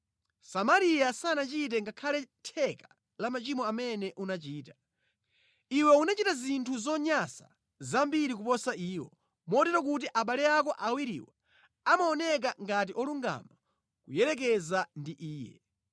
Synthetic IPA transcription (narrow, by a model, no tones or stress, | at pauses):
samaɾijasanat͡ʃit̬ɛŋɡakʰalɛtʰɛka | lamat͡ʃimɔamɛnɛʔunat͡ʃiːta | iwɛunat͡ʃitazintʰuzɔɲasa̰ | zambiɾikupɔsaʔiːwɔ̰ | mɔtɛɾɔk̬ut̬iʔaɓalɛakɔʔawiɾḭwa | amaɔnɛk̬aŋɡatiʔɔluŋɡa̰ma | kujɛɾɛk̬ɛzandiʔiːjɛ̰